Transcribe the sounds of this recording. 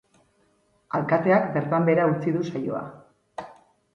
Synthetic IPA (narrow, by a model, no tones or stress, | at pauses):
alkat̪e̞akbe̞ɾt̪ambe̞ɾaut͡siðusajo̞̰a̰